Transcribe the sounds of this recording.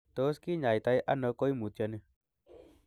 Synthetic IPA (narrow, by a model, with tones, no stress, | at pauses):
t̪o˨˦ski˦ɲa˨jt̪a˧i˦ʔa˦nɔ˨˧˦ko˦i˦mu˨t̪ja˧nɛ˧